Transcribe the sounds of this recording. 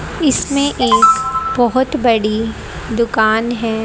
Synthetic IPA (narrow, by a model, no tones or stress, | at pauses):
ɪsmẽʔeːkbɔɦʊt̪bɐɽi | d̪ʊkaːnɦɛː